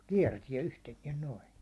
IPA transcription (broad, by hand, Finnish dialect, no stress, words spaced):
kiɛrtiɛ yhteniɛn noi